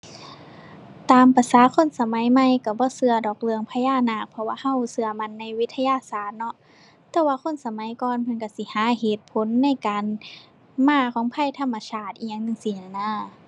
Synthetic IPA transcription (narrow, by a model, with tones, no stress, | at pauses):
t̪aː˨˧mpa˧˩saː˨˦kʰo˧˥˨nsa˧ma˨˦jma˧˨jka˧˩bɔː˧˦sɯ˧ɐdɔː˨˩k̚lɯ˧əŋpʰa˧jaː˧˩˨naː˧˩k̚pʰɔ˧waː˧˨ha˧˥˨wsɯ˧ɐma˧˨nːa˧˨jwi˦˥t̪ʰːa˧jaː˧˨saː˨˩t̪̚nɔ˧ | t̪ɛː˧˩waː˧kʰo˧˥˨nsa˧ma˨˦jkɔː˧npʰɤ˧˨nka˧˩si˧˦haː˨˦he˧˩t̪̚pʰo˨˧˦nːa˧˩˨jkaː˨n | maː˧˩kʰɔː˨˦ŋpʰa˧˥˨jt̪ʰa˧˨mːa˧sʰaː˧˩t̪̚ʔi˧˩ɲa˧˨ŋnɯ˧˨ŋsiː˧˨na˧˩naː˧˥˩